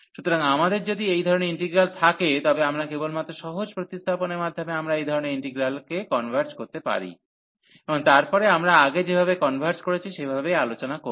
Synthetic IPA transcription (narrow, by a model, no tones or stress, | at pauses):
ʃut̪oɾaŋamad̪eɾd͡ʑod̪iejd̪ʱɔɾoneɾiɳʈiɡɾalt̪ʰaket̪ɔbeamɾakebolmat̪ːɾoʃɔɦod͡ʑpɾot̪ist̪ʰaponeɾmad̪ʱːomeamɾaejd̪ʱɔɾoneɾiɳʈeɡɾalkekɔnbʱaɾt͡ɕkoɾt̪epa̰ɾḭ | eboŋt̪aɾpɔɾeamɾaaɡed͡ʑebʱabekɔnbʱaɾt͡ɕkoɾet͡ɕʰiʃebʱabealot͡ɕonako